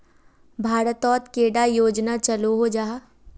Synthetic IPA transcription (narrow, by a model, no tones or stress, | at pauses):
bʱaːɾət̪ɔːt̪keːɽajoːd͡ʒnat͡ʃɐloɦod͡ʒaː